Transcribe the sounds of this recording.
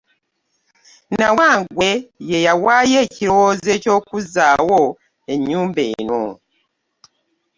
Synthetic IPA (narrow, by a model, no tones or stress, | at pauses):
nawaːŋɡwe̞je̞jawaːjeːciɾo̞woːze̞ːco̞ːkuzaːwo̞ | e̞ɲːuːmbe̞̰ːno̰